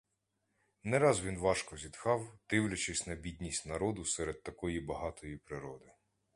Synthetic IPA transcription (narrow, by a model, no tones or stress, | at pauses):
nɛɾɑzʋʲinʋɑʃkɔzʲid̪xɑwd̪̥ɪwlʲɐt͡ʃɪsʲnɐbʲidʲnʲisʲtʲnɐɾɔd̪ʊsɛɾed̪̚t̪ɐkɔjibɐɦɑt̪ɔjipɾɪɾɔd̪ɪ